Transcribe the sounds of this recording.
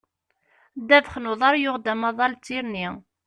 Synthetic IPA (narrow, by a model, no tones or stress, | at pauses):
d̪ævχnuðˤɑɾˤjʊʁd̪æmɑðˤɑlt͡sːiɾni